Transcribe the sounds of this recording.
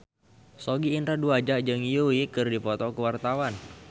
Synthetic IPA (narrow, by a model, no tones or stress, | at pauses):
soɡiːnɾaduad͡ʒaʔd͡ʒɨŋijuikɨrdifɔt̪ɔkəwart̪awan